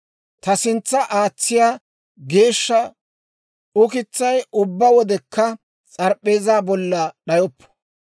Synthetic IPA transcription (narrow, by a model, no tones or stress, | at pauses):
t̪ɐsɪnt͡sːɐʔaːt͡sːɪjaː | ɡe̞ːʃːɐ | ʊkɪt͡sːɐjʊbːɐwɔd̪ɛkːɐ | t͡sʼɐɾpʼːe̞ːzaːbɔlːɐɗɐjɔpːɔ̥